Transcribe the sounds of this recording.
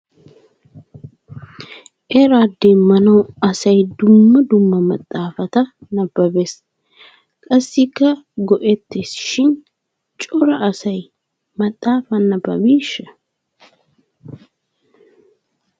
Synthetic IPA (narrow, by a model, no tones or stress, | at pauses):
ʔeɾaːd̪ːeːmmːɐnɐwɐsɐjd̪ʊmːɐd̪ʊmːɐmɐt̪ʼːaːfɐt̪ɐnɐbːɐbes | kʼɐsːɪkːɐɡɔʔɛt̪ːesɪ̥ʃɪn | t͡ʃʼɔɾɐʔɐsɐj | mɐt̪ʼːaːfɐnɐbɐ̰miːʃɐ̥